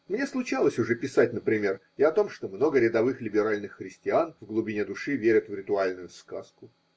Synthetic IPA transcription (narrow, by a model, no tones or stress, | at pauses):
mnʲe̞slˠʊt͡ɕalˠəsʲʊʐɛpʲɪsatʲnəpɾʲɪmʲe̞r | ɪɐt̪o̞mʂt̪o̞mno̞ɡəɾʲɪd̪ɐvɨxlʲɪbʲɪɾalʲnɨxːɾʲɪsʲtʲɪanvɡlˠʊbʲɪnʲed̪ʊʂɨvʲeɾʲɪt̪vɾʲɪt̪ʊalʲnʊjʊska̰skʊ